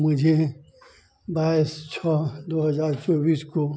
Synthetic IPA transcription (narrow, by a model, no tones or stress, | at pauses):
mʊd͡ʒʱe | baːɪst͡ʃʰɔd̪oːɦɐzaːɾt͡ʃɔːbiːsko